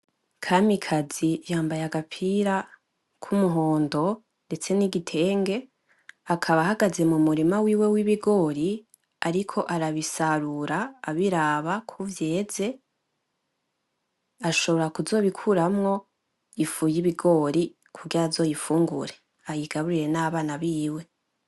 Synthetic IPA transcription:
kʰamikʰazijaːmbajaɡapʰiɾa | kʰumuɦo̞ːndo̞ | nde̞t͡se̞niɡitʰe̞ːŋɡe̞ | akʰaβahaɡaze̞mumuɾimawiːwe̞wiβiɡo̞ːɾi | aɾikʰo̞ʔaɾaβisaɾuɾaːβiɾaːβakʰuvje̞ːze̞ | aʃo̞βo̞ɾakuzo̞ːβikʰuɾamŋo̞ | ifujiβiɡo̞ɾi | kʰuɡiɾazo̞ːjifuːŋɡṵɾe̞ | ajiɡ̥aβuɾiɾe̞naβaːnaβiːwe̞

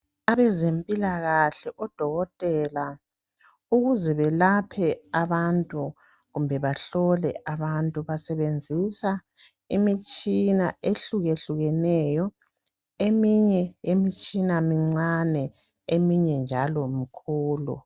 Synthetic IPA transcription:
aβɛzempʼilaɣaɬɛʔɔd̥ʱɔɣɔtʼɛla | uɣuzɛβɛlapʰɛaβantʼu | ɣumbʱɛβaɬɔlɛ̰ʔaβantʼuβasɛβend͡zʱisa | imit͡ʃʼinaeɬuɣeɬuɣɛnɛjɔ | emiɲɛjemit͡ʃʼinamiŋ͡ǀanɛ | emiɲɛnd͡ʒʱalɔmikʰuːlṵ

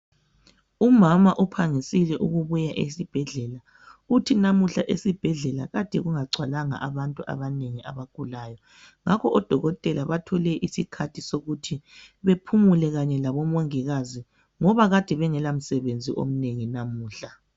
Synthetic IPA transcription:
umamaʔupʰaŋisilɛʔuɣuβujaʔesib̥ʱɛɮɛla | utʰinamuɬaʔesib̥ʱɛɮɛla̰ɣad̥ʱɛɣuŋaǀʱwalaŋa̰ʔaβantʼuʔa̰βaneŋiʔa̰βaɡ̥ʱulajɔ | ŋakʰɔʔɔd̥ʱɔɣɔtʼɛlaβatʰɔlɛʔisikʰatʰisoɣutʰiβepʰumulɛɣaɲɛlaβɔmɔŋiɣazi | ŋɔβaɣad̥ʱɛβɛŋɛlam̩sɛβend͡zʱiʔo̰m̩neŋinamuːɬa

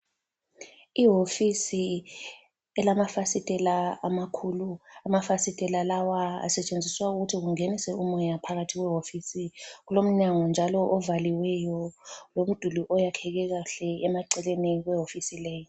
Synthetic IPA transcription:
iɦofisi | ɛlamafasitʼɛlaamakʰuluamafasitʼɛlalawaa̰sɛt͡ʃʼend͡zʱiswauɣutʰiɣuŋenisɛumɔjapʰaɣatʰiɣwɛɦofisiɣ̬ulom̩ɲaŋɔnd͡ʒʱalɔʔɔvaliwɛjɔlom̩d̥ʱuliʔɔjakʰɛk̬ɛɣ̬aɬɛɛmaǀɛlenikwɛɦofisilɛːjɔ

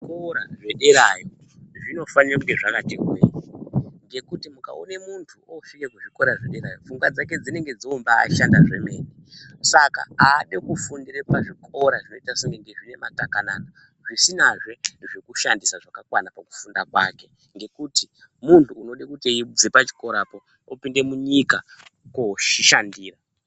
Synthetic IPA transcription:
koɾaʐe̞ɗeɾajo | ʐino̞fanirakuteʐakatekɡueɲiŋɡe̞kutimuka̰one̞muntʰuofikekuʐiko̞ɾaʐeɗeɾajofuŋɡwad͡zak̬e̞d͡zine̞ŋɡed͡zomba̰ːʃandaʐe̞me̞̰ːnisaka̰aːɗekufundiɾepaʐikʰoɾaʐino̞itasiŋɡeŋɡeʐine̞matakana̰na | ʐisinaʐe̞ʐekuʃandisaʐakakwanapaku̥fundakwake̞ | ŋɡe̞kuti | muntʰuːno̞ɗekutieid͡zepat͡ʃi̥ko̞ɾapo | opinde̞muɲika | koʃiʃandiːra

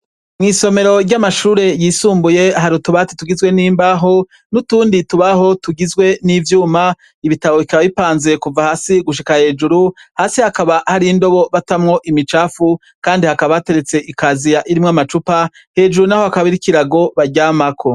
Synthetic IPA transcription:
mŋiːso̞me̞ɾo̞ɾɟamaʃuːɾe̞jiːsuːmbuje̞ɦaɾutuβatituɡizɡwe̞niːmbaɦo̞ | nutuːndituβaho̞tuɡizɡwe̞nivjuːma | iβitaβo̞βikaβaβipaːnze̞kuvahaːsiɡuʃikahe̞ːd͡ʒuɾuhaːsihakaβahaɾindo̞βo̞βatamŋo̞ʔimit͡ʃaːfu | kaːndihakaβate̞ɾet͡se̞ʔikazijaʔiɾimŋamat͡ʃupa | he̞ːd͡ʒuɾunaho̞akaβiɾikiɾaɡo̞βaɟaːmakʰo̞

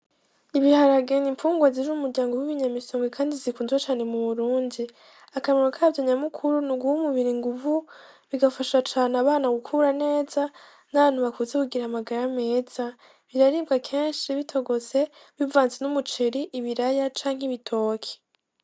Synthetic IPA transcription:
iβihaɾaɡenimfuːŋɡwaziɾuumuɾɟaːŋɡowiβiɲamisoːŋɡekʰaːndizikuːnzwat͡ʃaːne̞muβuɾuːndi | akameɾokʰaːvjoɲamukʰuɾunuɡuhumuβiɾiŋɡuvu | βiɡafaʃat͡ʃaːnaβaːnaɡukʰuɾane̞ːza | naβaːn̥huβakuzekuɡiɾamaɡaɾame̞ːz̥a | βiɾaɾiːbɡakʰe̞ːnʃiβitʰo̞ɡo̞ze̞βivaːnzenumut͡ʃeɾiʔiβiɾajat͡ʃaːŋɦiβitʰo̞ːkʰe̥

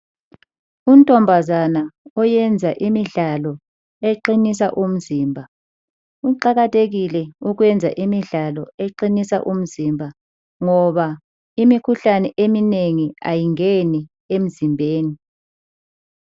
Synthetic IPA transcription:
un̩tʼɔmbʱazanaɔjɛnd͡zʱaʔimiɮalɔ | eǃinis̬a̰ʔum̩ziːmbʱa | uǃaɣatʰeɣilɛuɣwɛnd͡zʱa̰ʔimiɮalɔeǃinisa̰ʔum̩zimbʱa | ŋɔβa | imikʰuɬanɛʔemineŋia̰jiŋeni | em̩zimbʱeːni

